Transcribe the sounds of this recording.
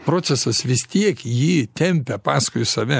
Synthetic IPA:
pɾoːt̪sʲɛsɐsʋʲɪst̪ʲiɛkjiːt̪ʲɛmʲpʲɛpɑːskʊjʊsɐʋʲɛ

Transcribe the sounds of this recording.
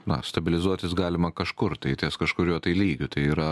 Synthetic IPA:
nɐ̰st̪ɐbʲɪlʲɪzuɔt̪ʲɪsɡɑːlʲɪmɐkɐʃkʊrt̪ɐɪt̪ʲiːskɐʃkʊɾʲuɔt̪ɐɪlʲiːɡʲʊt̪ɐɪiːɾɐ

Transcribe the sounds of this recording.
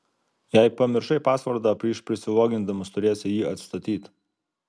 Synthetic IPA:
jæɪpɐmʲɪɾʃɐɪpɑːsʋɐɾd̪ɑːpʲɾʲiːʃpʲɾʲɪsʲɪʋˠoːɡʲɪnd̪ɐmʊst̪ʊɾʲeːsʲɪjiːɐt̪st̪ɐt̪ʲiːt̪

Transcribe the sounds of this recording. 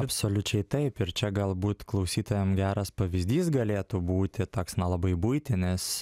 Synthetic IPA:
ɐpsoːlʲʊt͡ʃʲɛɪt̪ɐɪpɪɾt͡ʃʲɛɡɐlˠbuːt̪klˠɐʊsʲiːt̪oːjɛmɡʲæːɾɐspɐʋʲɪzʲd̪ʲiːsɡɐlʲeːt̪ubuːt̪ʲɪt̪oːksnɐlˠɐbɐɪbuɪt̪ʲɪnʲɪs

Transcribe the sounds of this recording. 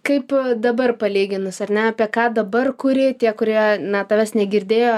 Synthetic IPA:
kɐɪpd̪ɐbɐrpɐlʲiːɡʲɪnʊsɐrʲnʲɛɑːpʲiɛkɑːd̪ɐbɐrkʊɾʲɪt̪ʲiɛkʊɾʲiɛnɐt̪ɐʋʲɛsnʲɛɡʲɪɾʲd̪ʲeːjoː

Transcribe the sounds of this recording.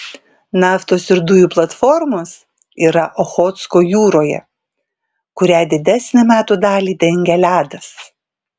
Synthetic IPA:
nɑːft̪oːsɪɾd̪ʊjuːplˠɐt̪fɔɾmoːs | iːɾɐʔɔxɔːt̪skoːjuːɾoːjɛ̰ | kʊɾʲæːd̪ʲɪd̪ʲæsʲnʲɛmʲæːt̪uːd̪ɑːlʲiːd̪ʲɛɪŋʲɡʲɛlʲæːd̪ɐs

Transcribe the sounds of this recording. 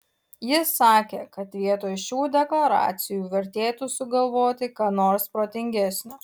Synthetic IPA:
jɪssɑːkʲeːkɐt̪ʋʲiɛt̪oːjʃʲuːd̪ʲɛklˠɐɾɑ̰ːt̪sʲɪjuːʋʲɛɾʲt̪ʲeːt̪usʊɡɐlˠʋoːt̪ʲɪkɑːnoːɾspɾoːt̪ʲɪŋʲɡʲɛsʲnʲoː

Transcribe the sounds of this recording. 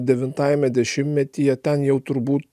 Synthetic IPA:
d̪ʲɛʋʲɪnt̪ɑːjɛmʲɛd̪ʲɛʃʲɪmːʲɛt̪ʲijɛt̪ʲɛnjɛʊt̪ʊɾbuːt̪

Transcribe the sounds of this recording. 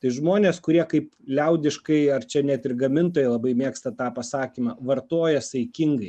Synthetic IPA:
t̪ɐɪʒmoːnʲeːskʊɾʲiɛkɐɪplʲɛʊd̪ʲɪʃkɐɪɐrt͡ʃʲɛnʲɛt̪ɪɾɡɐmʲɪnt̪oːjɛɪlˠɐbɐɪmʲeːkst̪ɐt̪ɑːpɐsɑːkʲiːmɑʋɐɾt̪oːjɛsɐɪkʲɪŋɡɐɪ

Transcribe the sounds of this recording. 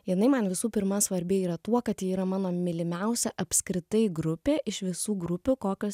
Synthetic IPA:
jɪnɐɪmɐnʋʲɪsuːpʲɪɾmɐsʋɐɾʲbʲɪiːɾɐt̪uɔkɐt̪jiiːɾɐmɑːnoːmʲɪlʲɪmʲɛʊsʲɛʔɐpʲskɾʲɪt̪ɐɪɡɾʊpʲeːʔɪʃʋʲɪsuːɡɾʊpʲʊkoːkʲoː

